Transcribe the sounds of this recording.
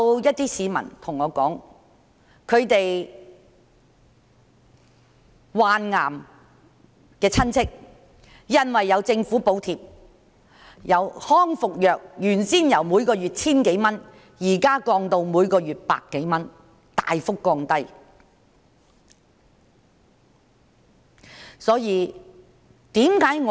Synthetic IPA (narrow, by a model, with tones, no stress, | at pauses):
wjɐ˥t̚t̪iː˥siː˨˧mɐ̰˨˩nt̪ʰʊ˨˩ŋːɔː˨˧kɔː˨˥ŋ | kʰɵ˨˧ɥt̪e˨j | waː˨˧nŋa̰ː˨˩m | kɛː˧t͡sʰɐ˥nt͡sʰɪ˥k̚ | jɐ˥nwɐ˨jːɐ˨˧wt͡sɪ˧ŋfu˨˥po˨˧wt̪ʰiː˨p̚ | jɐ˨˧whɔː˥ŋfʊ˨k̚jœː˨k̚jyː˨˩nsiː˥njɐ˨˩wmuː˨˧jkɔː˧jyː˨t̚t͡sʰiː˥nke˨˥jmɐ˥n | jiː˨˩kaː˥kɔː˧ŋt̪o˧wmuː˨˧jkɔː˧ɥyː˨t̚pa̰ː˧kːe˨˥jmɐ˥n | t̪a̰ː˨jfʊ˥kːɔː˧ŋt̪ɐ˥j | sɔː˨˥jiː˨˧ | t̪iː˨˥mkaː˨˥jŋɔ˨